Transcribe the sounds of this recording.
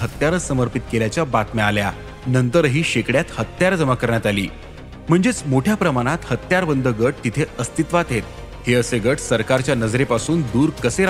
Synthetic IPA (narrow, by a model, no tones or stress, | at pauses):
ɦət̪jaɾəsəməɾpit̪̚keljat͡ɕjabat̪mɛalja | nənt̪əɾɦiːɕekɽjat̪hət̪jaɾd͡zəmakəɾɳjat̪alḭː | m̤əɳd͡zet͡smoʈʰjapɾəmaɽ̃at̪hət̪jaɾbənd̪əɡəʈ̚t̪it̪ʰeəst̪it̪ʋat̪ɦet̪̚ | heəseɡəʈsəɾkaɾt͡ɕjanəd͡zɾepasuːnd̪uːɾkəseɾ